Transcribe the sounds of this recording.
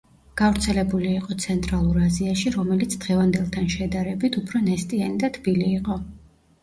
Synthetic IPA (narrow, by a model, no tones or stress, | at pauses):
ɡ̥avɾt̪sʰɛlɛbuliːqʼɔt̪sʰɛnt̪ʼɾalˠuɾaziaʃiɾɔmɛlit̪sʰd̪̥ʁɛvand̪ɛlˠt̪ʰanʃɛd̪aɾɛbit̪ʰupʰɾɔnɛst̪ʼianid̪at̪ʰb̥iliːqʼɔ